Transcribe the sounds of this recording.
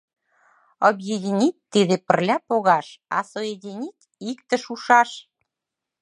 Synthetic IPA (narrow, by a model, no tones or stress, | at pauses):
objed̪ʲinʲit̚ʲt̪ːiðepə̆rlʲɑpoɣɑʃɑ̰sojed̪ʲinʲitʲ | ikt̪ə̆ʃuʃɑʃ